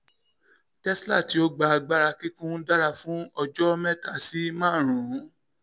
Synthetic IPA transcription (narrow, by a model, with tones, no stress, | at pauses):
tɛ˦sla˦˨ti˨˦o˦ɡ͡ba˧a˧ɡ͡ba˦ɾa˧ki˦kũ˦da˦ɾa˧fũ˦ɔ˧d͡ʒɔ˦mɛ̃˦˨ta˨si˦mãː˦˨ɾ̃ũ˨˦